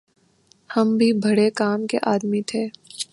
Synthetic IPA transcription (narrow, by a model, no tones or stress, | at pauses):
hɐmbʱibʱɐɽekaːmkeʔaːd̪mit̪ʰeː